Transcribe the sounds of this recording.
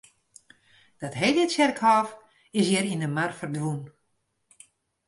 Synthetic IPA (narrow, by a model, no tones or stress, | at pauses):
d̥ɔtɦejlətsɛrkhɔːf | ɪsjɪɾindəmarfərdʋun